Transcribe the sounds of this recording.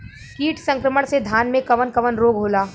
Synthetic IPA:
kiːʈʰsɐ̃ŋkɾəməɽ̃sed̪ʱaːnmẽkɐʋənkɐʋənɾoːɡɦoːlaː

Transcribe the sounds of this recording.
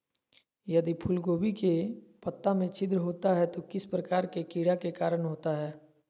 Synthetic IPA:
jɐd̪ipʰʊlɡoːbʱikepɐt̪ːamẽt͡ʃɪd̪ɾəɦoːt̪aɦɛt̪okɪspɾəkaːɾkekiːɽakekaːɾəɽ̃ɦoːt̪aɦɛː

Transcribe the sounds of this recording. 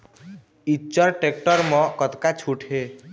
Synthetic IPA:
it͡ʃəɾʈek̚ʈəɾmɔ̃kət̪kat͡ʃʰuʈʰe

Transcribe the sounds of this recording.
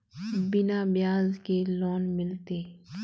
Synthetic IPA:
bɪnabjaːzkelɔːnmɪlt̪eː

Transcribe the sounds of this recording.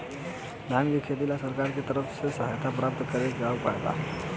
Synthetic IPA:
d̪ʱankekʰet̪ilasəɾkaɾket̪əɾəpsesəɦajt̪ʰapɾap̚t̪kəɾetɡawpəɽd̪a̰

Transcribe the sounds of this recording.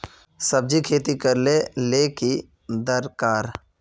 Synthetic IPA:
səb̚d͡ʒikʰeːt̪ikəɾleleːki | d̪əɾkaːɾ

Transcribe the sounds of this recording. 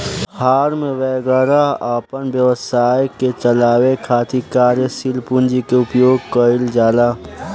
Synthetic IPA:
haːɾmẽʋɛːɡəɾaapənbjəʋəsaːjket͡ʃəlaːwekʰaːt̪ʰikaːɾjəsilpund͡ʒikeʊpjoːɡ̚kəɪld͡ʒaːlaː

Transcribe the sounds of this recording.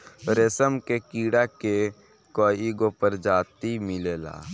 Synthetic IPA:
ɾeːsəmkekiːɽake | koːiɡopəɾd͡ʒaːt̪imɪleːla̰ː

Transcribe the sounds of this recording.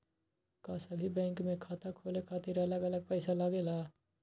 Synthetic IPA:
kasəbʱibɛ̃ːŋkmẽkʰaːt̪akʰoːlekʰaːt̪ɪɾɐləɡɐləɡ̚pɛːsalaːɡelaː

